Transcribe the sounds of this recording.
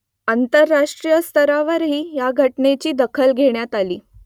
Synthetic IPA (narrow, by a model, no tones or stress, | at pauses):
ant̪əɾːaʂʈɾijəst̪ʰəɾaʋəɾɦiːjaɡʱəʈnet͡ɕiːd̪əkʰəlɡʱeɳjat̪alḭː